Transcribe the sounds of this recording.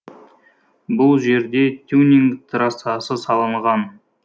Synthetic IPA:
bʊlˠʒe̞ɾd̪e̞t̪ʲʰunʲiŋkt̪ʰɾɑsɑsəsɑlˠəɴʁɑn

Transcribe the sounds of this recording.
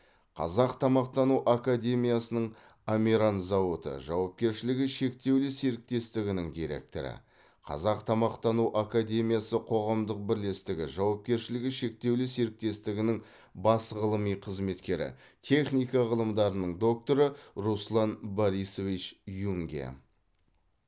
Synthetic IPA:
qʰɑ̰zɑqt̪ʰɑmɑqt̪ɑnuʔakad̪ʲe̞mʲijasənəɴ | amʲiɾanzɑwot̪ə̰ʒɑwɑp̚kʲe̞ɾʃɪlɪɡʲɪʃe̞k̚t̪e̞wlɪseɾɪk̚t̪e̞st̪ɪɡʲɪnɪŋd̪ijɾe̞̰k̚t̪o̞̰ɾɪ̰ | qʰɑ̰zɑqt̪ʰɑmɑqt̪ɑnuʔakad̪ʲe̞mʲijasəqʰo̞ʁɑmd̪əq̚bɪɾle̞st̪ɪɡʲɪ̰ʒɑwɑp̚kʲe̞ɾʃɪlɪɡʲɪʃe̞k̚t̪e̞wlɪse̞ɾɪk̚t̪e̞st̪ɪɡʲɪnɪŋ | bɑsʁəlˠəmijqʰəzme̞t̪kʲe̞ɾɪ̰ | t̪ʰe̞χnijkɑʁəlˠəmd̪ɑɾənəɴd̪o̞k̚t̪o̞ɾəɾuslˠɑnboɾijso̞vit͡ʃjuŋɡʲḛ

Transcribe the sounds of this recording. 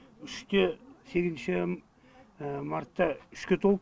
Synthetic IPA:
ʏʃt̪ese̞ɡʲɪznʃɪ | maɾt̪ːɑʏʃkʲet̪ʰo̞lˠə

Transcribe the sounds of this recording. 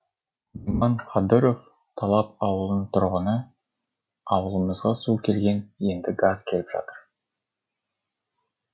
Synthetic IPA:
umɑnqɑd̪ɨɾo̞f | t̪ʰɑlˠɑp̚ɑwəlˠənt̪ʰʊɾʁənə | ɑwəlˠəməzʁɑsukʲʰe̞lɡʲe̞ne̞nd̪ɪɡazkʲʰe̞lɪpʒɑ̰t̪əɾ

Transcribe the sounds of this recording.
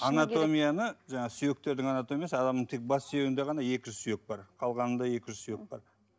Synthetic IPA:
ɑnat̪o̞mʲijanəʒɑɴɑsyje̞k̚t̪e̞ɾd̪ɪŋɑnat̪o̞mʲijasəɑd̪ɑmd̪əɴt̪ʰek̚bɑsːeewɪnd̪eʁɑnɑje̞kʲɪʒʏzsyjek̚bɑɾqʰɑlˠʁɑnənd̪ɑje̞kʲɪʒʏzsyjek̚bɑ̰ɾ

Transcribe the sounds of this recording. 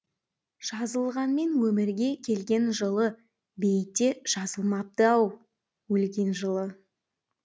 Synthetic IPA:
ʒ̥ɑzəlˠʁɑnme̞nwɵmɪɾɡʲe̞kʲʰe̞lɡʲe̞nʒəlˠə | be̞jɪt̪ːe̞ʒ̥ɑzəlˠmɑp̚t̪əɑw | wɵlɡʲe̞nʒəlˠə

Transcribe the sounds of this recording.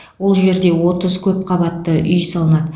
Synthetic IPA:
wo̞lˠʒe̞ɾd̪e̞wo̞t̪əzkʲʰɵp̚qʰɑβɑt̪ːəʔʏjsɑlˠənɑd̪ə

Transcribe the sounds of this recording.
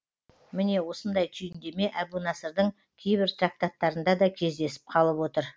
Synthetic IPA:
mɪne̞wo̞sənd̪ɑjt̪ʰʏjɪnd̪e̞me̞ʔæbunɑsəɾd̪əɴ | kʲʰe̞jbɪɾt̪rak̚t̪at̪ːɑɾənd̪ɑd̪ɑkʲʰe̞zd̪e̞sɪ̥p̚qʰɑlˠəpwo̞t̪əɾ

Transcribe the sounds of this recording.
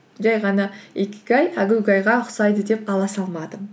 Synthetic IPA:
ʒæjʁɑnɑekʲɪ̥ɡʲɑjæɡʲɪwɡʲɑjʁɑʊqsɑjd̪əd̪e̞p̚qʰɑlˠɑsɑlˠmɑd̪ə

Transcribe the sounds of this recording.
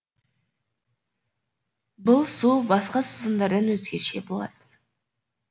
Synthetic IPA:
bəlˠsubɑsqɑsəzənd̪ɑɾd̪ɑnwɵzɡʲeɾʃe̞bolˠɑ̰d̪ə

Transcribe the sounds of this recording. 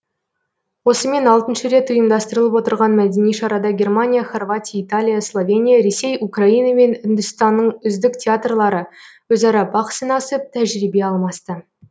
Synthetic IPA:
wo̞səme̞nɑlˠt̪ənʃəɾe̞t̪ʊjəmd̪ɑst̪əɾəlˠəpwo̞t̪əɾʁɑnmæd̪e̞nijʃɑɾɑd̪ɑɡʲe̞rmanʲijaχo̞rvat̪ʲijait̪alʲijaslˠo̞vʲenʲijaɾe̞se̞jukrɑinɑme̞nʏnd̪ʏst̪ɑnːəɴʏzd̪ɪktʲeat̪rlˠɑɾə | wɵzɑɾɑbɑqsinɑsət̪ʰæʒɾibe̞ɑlˠmɑst̪ə

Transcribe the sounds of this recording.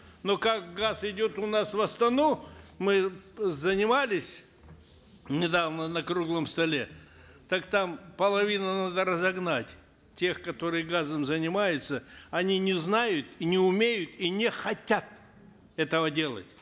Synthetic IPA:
nokakɡasɪdʲot̪ʊnasvɐst̪ɐnumɨzənʲɪmalʲɪsʲ | nʲɪd̪avnənɐkɾuɡlˠəmst̪ɐlʲe̞ | t̪akt̪ampəlˠɐvʲinənad̪əɾəzɐɡnatʲ | tʲe̞xkɐt̪o̞ɾɨjəɡazəmzənʲɪmajʊt̪səɐnʲinʲɪznajʊt̪inʲɪʊmʲejʊt̪inʲɪxɐtʲat̪̚ | ɛt̪əvədʲe̞lˠə̰tʲ

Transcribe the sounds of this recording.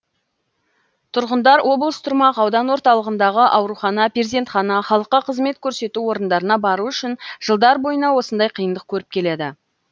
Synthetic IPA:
t̪ʰʊɾʁənd̪ɑɾwo̞blˠəst̪ʰʊɾmɑqɑwd̪ɑnwo̞ɾt̪ɑlˠəʁənd̪ɑʁəʔɑwɾuχɑnɑpʲeeze̞nt̪χɑnɑχɑlˠəqːɑqʰəzme̞t̪kʲʰɵɾse̞t̪uwo̞ɾənd̪ɑɾənɑbɑɾuʏʃɪnʒ̥əlˠd̪ɑɾbo̞jənɑwo̞sənd̪ɑjqʰəjənd̪əq̚kʲʰɵɾɪp̚kʲʰe̞le̞d̪ɪ

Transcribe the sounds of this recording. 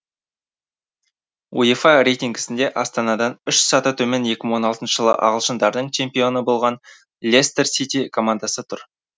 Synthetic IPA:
ṵifɑɾe̞jt̪iŋɡʲɪ̥sɪnd̪e̞ʔɑst̪ɑnɑd̪ɑnʏʃsɑt̪ət̪ʰɵmenje̞kʲɪmɪwo̞nɑlˠt̪ənʃə̥ʒ̥əlˠə̰ʔɑ̰ʁəlˠʃənd̪ɑɾd̪əɴt͡ʃʰe̞mpijo̞nəbo̞lˠʁɑn | lʲe̞st̪ersit̪ʲikʰo̞mand̪asət̪ʰʊɾ

